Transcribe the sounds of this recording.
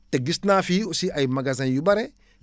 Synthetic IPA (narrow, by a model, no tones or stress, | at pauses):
teɡisnaːfiosiʔajmaɡazanjubaɾe